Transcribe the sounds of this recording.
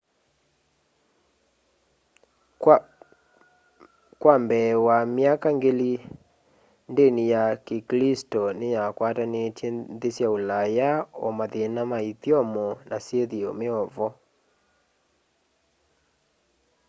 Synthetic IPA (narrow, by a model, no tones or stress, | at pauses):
kwambɛwameakaŋɡeli | ndenijakeklistɔnejakwatanetjɛnðesjaolajaɔmaðenamaiθjɔmɔnasjeðiɔmeɔvɔ